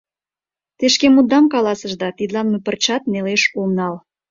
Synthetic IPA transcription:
t̪eʃkemud̪ɑmkɑlɑsəʒd̪ɑt̪id̪lɑnmepərt͡ɕɑt̪̚neleʃomnɑl

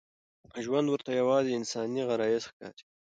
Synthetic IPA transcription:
ʒwand̪wəɾt̪ajawɑzeɪnsɑniɣaɾɑjesxkɑ̰ɾi̥

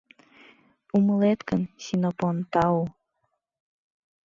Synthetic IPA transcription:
uməlet̪kənsinopont̪ɑu

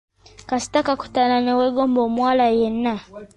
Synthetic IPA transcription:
kasi̥takaku̥tananɛwɛɡɔmbɔmwalajɛna

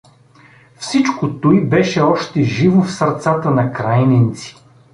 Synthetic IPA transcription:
fsit͡ʃkot̪oibɛʃɛɔʃt̪ɛʒivofsɐɾt̪sat̪ənɐkɾajnɛnt̪si̥

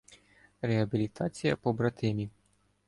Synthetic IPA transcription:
ɾeɦɐbʲilʲit̪ʰɑt͡sʲijɐpɔbɾɐt̪ɪmʲi

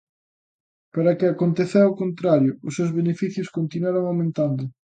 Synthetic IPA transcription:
paɾɐkɪakont̪eθeɾaokont̪ɾaɾjʊʊsːewzβenefiθjʊskont̪inwaɾoŋawmẽnt̪and̪ʊ

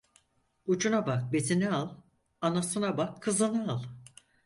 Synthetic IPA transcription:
ut͡ʃʰunabak̚bet̪ʰinɛalˠ | anasɯnabakʰːɯzɯnaalˠ

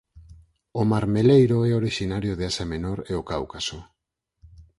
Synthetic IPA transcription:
omaɾme̞lejɾoeo̞ɾiʃinaɾioð̞easame̞no̞ɾeokawkaso

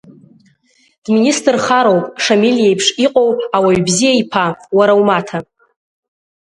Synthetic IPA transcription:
d̥ministʼrχaɾowpʼʂamilijejpʰʂiqʼowpʰʼawaɥbzijaipʰawaɾawmatʰa

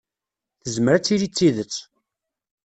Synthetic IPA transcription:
θəzməɾæt͡sːiɾit͡sːiðət͡sː

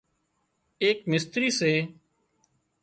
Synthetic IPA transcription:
eːkmɪst̪ɾiːseː

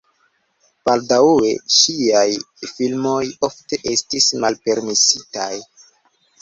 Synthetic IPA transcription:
b̥aldaweʃiaj | filmo̞jofte̞ʔe̞stismalpe̞ɾmisita̰j

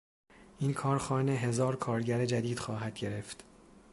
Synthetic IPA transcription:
ʔinkʰɒːɾxɒːneɦe̞zɒːɾkʰɒːɾɟæɾed͡ʒæd̪iːd̪̥xɒːɦæd̪̥̚ɟe̞ɾe̞ft̪

